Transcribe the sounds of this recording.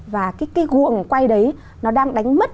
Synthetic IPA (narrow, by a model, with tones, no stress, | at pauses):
vaː˨˩kaː˨˦jkaː˨˦jɣu˨˩əŋkwa˧jɗə˨˦j | nɔ˨˦ɗaː˧ŋɗa˨˦jŋ̟mə˦˥t̚